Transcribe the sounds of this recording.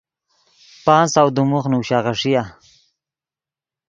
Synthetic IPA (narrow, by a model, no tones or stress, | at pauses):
pɑːnsawd̪umuxnuwɕaɣaʂija